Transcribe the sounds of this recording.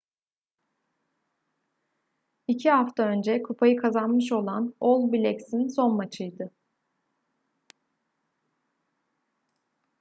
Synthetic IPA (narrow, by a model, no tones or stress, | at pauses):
icʰiɦaft̪ʰaø̞nd͡ʒɛkʰupʰajɯkʰazanmɯʃo̞lˠano̞lˠbilʲɛcsinso̞nmat͡ʃʰɯjd̪ɯ